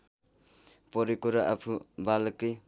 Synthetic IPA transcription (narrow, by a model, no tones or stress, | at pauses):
pɔɾikoɾaʔapʰubalke